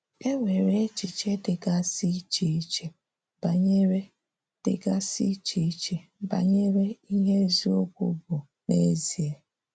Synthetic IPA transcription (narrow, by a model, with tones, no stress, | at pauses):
e˦ŋʷe˨ɾe˦t͡ʃi˨t͡ʃe˦dɪ˨ɡa˦si˦t͡ʃi˨i˦t͡ʃe˦ | ba˨ɲe˦ɾe˦ | d̥ɪ̰˨ɡa˦si˦t͡ʃi˨i˦t͡ʃe˦ba̰˨ɲe˦ɾe˦i˦ɦe˦zi˦o˦ɡʷṵ˨bʊ˨ | ne˦zi˨e˦